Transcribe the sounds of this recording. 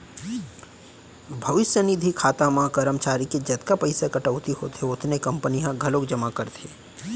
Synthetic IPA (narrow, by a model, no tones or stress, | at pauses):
bʱɐʋɪʃjənid̪ʱikʰaːt̪amãkɐɾəmt͡ʃaːɾiked͡ʒɐt̪kapɐɪsakɐʈəʊt̪iɦo̰ːt̪ʰeʊt̪ʰnekɐ̃mpəniɦãɡʱɐlokd͡ʒɐmakɐɾt̪ʰeː